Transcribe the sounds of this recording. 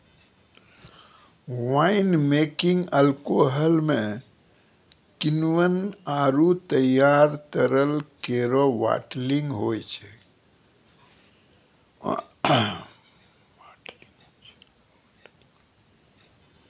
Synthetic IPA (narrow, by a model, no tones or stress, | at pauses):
ʋaːɪnmeːkɪ̃ŋɡəlkoɦəlmẽ | kɪnwənaːɾut̪əjaːɾt̪əɾəlkeɾoʋa̰ːʈlɪ̃ŋɡɦoːjt͡ʃʰɛ | aʈliŋ | t͡ʃ